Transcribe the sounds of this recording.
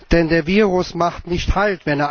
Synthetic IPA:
d̥ɛndeːɐviːʁʊsmaχtnɪçthaltv̥ɛneːɐ

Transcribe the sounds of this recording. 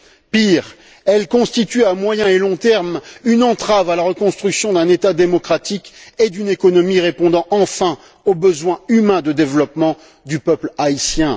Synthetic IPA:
piʁ | ɛlkɔ̃st̪it̪yamwajɛ̃elɔ̃t̪ɛʁmynɑ̃t̪χavalaʁəkɔ̃st̪χyksjɔ̃d̪ɛ̃net̪ad̪emɔkχat̪iked̪ynekɔnɔmiʁepɔ̃d̪ɑ̃ʔɑ̃fɛ̃ | obəzwɛ̃ymɛ̃d̪əd̪evlɔpmɑ̃ | d̪ypœplaisjɛ̃

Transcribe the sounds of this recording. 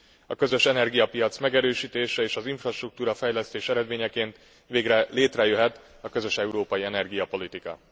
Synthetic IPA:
ɒkø̞zø̞ʃɛnɛrɡijɒpijɒt̪smɛɡɛɾøːʃiːt̪eːʃɛeːʃɒziɱfrɒʃt̪ruk̚t̪uːɾɒfɛjlɛst̪eːʃɛɾɛd̪meːɲɛkeːnt̪ | ʋeːɡrɛleːt̪rɛjøɦɛt̪ | ɒkø̞zø̞ʃɛuɾoːpɒjiɛnɛrɡijɒpo̞lit̪ikɒ̰

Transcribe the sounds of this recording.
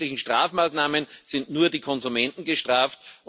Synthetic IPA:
lɪçŋ̩ʃtʁ̥aːfmaːsnaːmənz̥ɪntnuːɐdiːkʰɔnzumɛ̃ntn̩ɡəʃtʁaːft

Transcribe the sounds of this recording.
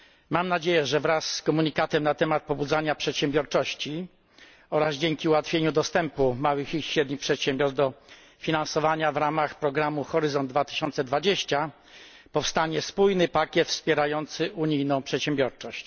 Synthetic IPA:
mamnad͡ʑejɛʐɛvɾasːkɔmuɲikat̪ɛmnat̪ɛmat̪̚pɔbud̪zaɲapʂɛt̪ɕɛmbʲjɔɾt͡ʂɔɕt͡ɕi | ɔɾazd͡ʑeŋkʲiuwat̪fʲjeɲud̪ɔst̪ɛmpumawɘxiɕɾɛd̪ɲixpʂɛt̪ɕɛmbʲjɔɾzd̪ɔ | fʲinãnsɔvaɲavɾamaxpɾɔɡɾamuxɔɾɘzɔnd̪̚d̪vat̪ɘ̥ɕɔnt̪sɛd̪vad͡ʑeɕt͡ɕa | pɔfst̪aɲɛspujnɘpakʲjɛt̪fspʲjɛɾajɔnt̪sɘʔuɲijnɔ̃w̃pʂɛt̪ɕɛmbʲjɔɾt͡ʂɔɕt͡ɕ

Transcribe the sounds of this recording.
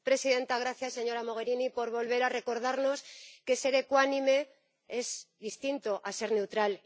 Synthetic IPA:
pɾe̞siðe̞nt̪aɣ̞ɾaθjasːe̞ɲo̞ɾamo̞ɣ̞e̞ɾinipo̞ɾβo̞lβe̞ɾare̞ko̞ɾð̞aɾno̞ske̞se̞ɾe̞kwanĩme̞ | e̞zðist̪int̪o̞ʔase̞ɾne̞wt̪ɾal

